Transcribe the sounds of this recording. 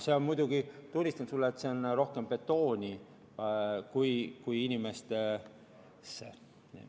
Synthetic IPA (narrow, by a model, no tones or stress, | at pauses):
seonmujd̪̥uɡ̥it̪unʲːist̪ɑnsulːeːt̪seonro̞hke̞mpe̞t̪ːo̞ːnʲi | kujkujinʲime̞st̪ | sḛ